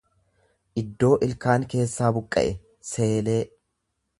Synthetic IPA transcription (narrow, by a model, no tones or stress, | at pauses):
ʔɪd̪ːo̞ːʔɪlkaːŋke̞ːsːaːbʊkʼːɐ̰ʔɛ | se̞ːle̞ː